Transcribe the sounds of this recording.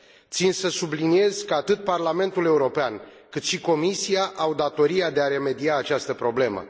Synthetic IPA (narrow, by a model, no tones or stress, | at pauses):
t̪sinsəsublinie̞zkəat̪ɨt̪̚parlame̞nt̪ule̞uɾo̞pean | kɨt̪ʃiko̞misiaʔawd̪at̪o̞ɾiad̪e̞aɾe̞me̞d̪iaːt͡ʃast̪əpɾo̞ble̞mə̰